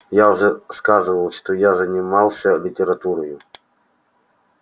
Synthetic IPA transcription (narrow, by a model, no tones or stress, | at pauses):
jaʊʐɛskazɨvəlˠʂt̪ɔjazɐnʲɪmalˠsʲɐlʲɪtʲɪɾɐt̪uɾɔjʊ